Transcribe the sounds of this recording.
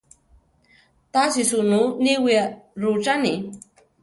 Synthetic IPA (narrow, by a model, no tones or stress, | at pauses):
t̪asisununiwiaɾut͡ʃani